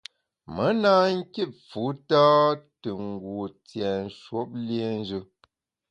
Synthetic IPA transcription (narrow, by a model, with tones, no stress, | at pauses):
mə˨˦naː˦ŋ̩˦ki˦˨fu˨˦taː˦tɨ˨ŋ˨ɡwu˨t͡sjɛ˨n̩˨ʃwo˦p̚le˦˨n˦d͡ʒɨ˦